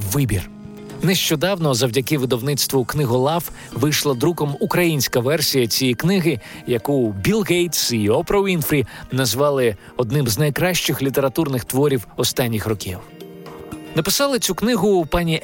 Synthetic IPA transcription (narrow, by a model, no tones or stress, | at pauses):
ʋɪbʲḭr | nɛʃt͡ʃɔd̪ɑwnɔzɐwdʲɐkɪʋɪd̪ɔwnɪt̪st̪ʋɔknɪɦɔlˠɑf | ʋɪjʃlˠɐd̪ɾukɔmukɾɐjinʲsʲkɐʋɛrsʲijɐt͡sʲijiknɪɦɪ | jɐkubʲilˠɣejt̪siɔpɾɔinfɾʲinɐzʋɑlˠɪ | ɔd̪nɪmznɐjkɾɑʃt͡ʃɪxlʲit̪e̞ɾɐt̪urnɪxt̪ʋɔɾʲiwɔst̪ɑnʲːixrɔkʲḭw | nɐpɪsɑlˠɪt͡sʲuknɪɦʊpɑnʲi